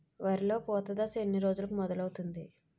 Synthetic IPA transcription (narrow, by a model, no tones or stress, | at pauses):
ʋaɾilo̞ːpɔːt̪ɐd̪ɐsenːiɾo̞ːd͡ʒulɐkumɔd̪ɐlɐwut̪und̪i